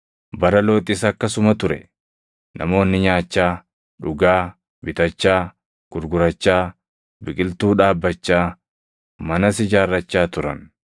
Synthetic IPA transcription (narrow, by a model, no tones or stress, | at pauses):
bɐɾɐlo̞ːt̪ʼɪsɐkːɐsʊmɐt̪ʊɾɛ̰ | nʔɐ̰mo̞ːnːɪɲaːt͡ʃːaː | ᶑʊɡaː | bɪt̪ɐt͡ʃːaː | ɡ̥ʊɾɡʊɾɐt͡ʃːaː | bɪkʼɪlt̪uːᶑaːbːɐt͡ʃːaː | mɐnɐsɪd͡ʒaːrːɐt͡ʃːaːt̪ʊɾɐ̰n